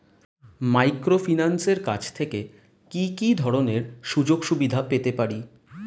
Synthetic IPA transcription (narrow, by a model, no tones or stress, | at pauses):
majkɾofinanseɾkat͡ɕʰt̪ʰeke | kikid̪ʱɔɾoneɾʃud͡ʑoɡʃubid̪ʱapet̪epaɾi